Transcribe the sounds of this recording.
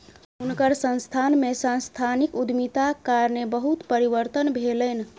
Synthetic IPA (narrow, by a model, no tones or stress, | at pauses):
unkəɾsə̃nst̪ʰanmesãnst̪ʰanikud̪mit̪akaɾnebəɦut̪pəɾiʋəɾt̪ənbʱelən